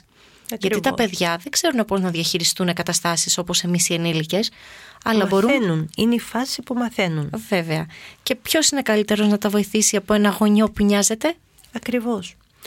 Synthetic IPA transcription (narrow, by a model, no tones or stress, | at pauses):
ʝɐit̪ɐpe̞ðʝɐðeɡz̥e̞ɾune̞po̞znɐðʝɐçiɾist̪une̞kɐt̪ɐst̪ɐsiso̞po̞se̞misienilice̞sɐlɐbo̞ɾunnunineifɐsipumɐθe̞nunve̞veɐce̞pço̞sine̞kɐlit̪e̞ɾo̞znɐt̪ɐvo̞iθisiɐpo̞e̞nɐɣo̞ɲo̞puɲɐze̞t̪e̞ | ɐkɾivo̞s